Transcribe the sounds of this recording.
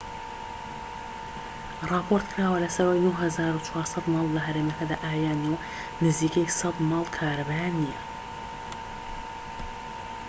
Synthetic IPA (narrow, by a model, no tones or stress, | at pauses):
rˤɑːpʰoɾt̪kʰɾaːwɐlɐsɐɾaːjnuhhɐzaːɾut͡ʃʰwɑːɾsɑd̪mɑːlˠːɐɦɐɾeːmɐkɐd̪aːʔaːjaːnu | nɨziːkejsɑd̪mɑːlˠkʰaːɾɐbaːnijɛ